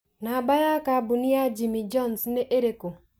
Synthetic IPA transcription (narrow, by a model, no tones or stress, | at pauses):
nabajakabuniad͡ʒimid͡ʒɔnsneʔeɾeko